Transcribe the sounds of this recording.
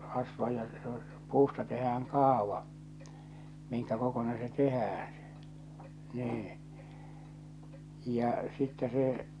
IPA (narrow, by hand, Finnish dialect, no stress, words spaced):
rɑsʋɑ jɑ se o puːstɑ tehæːŋ kɑːʋɑ miŋkæ kokonen se tehæːæ̃ se̥ niː jɑ sitːɛ se